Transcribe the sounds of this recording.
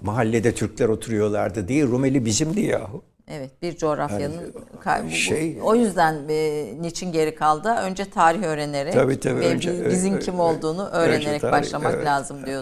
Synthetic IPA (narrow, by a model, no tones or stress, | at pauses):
maɦalʲːed̪ɛt̪ʰyɾclʲæɾo̞t̪ʰuɾujo̞lˠa̰ɾd̪ɯd̪ejiɾumelʲibizimd̪ija̰ːɦu | ɛvɛt̪̚biɾd͡ʒo̞ɾafjanɯnkʰa̰jbuʃeo̞jyzd̪ænːit͡ʃʰinɟe̞ɾikʰalˠd̪ɯø̞nd͡ʒɛt̪ʰaːɾiçø̞ːɾe̞ne̞ɾɛabiːt̪ʰabɛbizincʰimo̞llˠd̪uːnuʔø̞ːɾeneɾɛcbaʃlˠamaklʲaːzɯmd̪ijo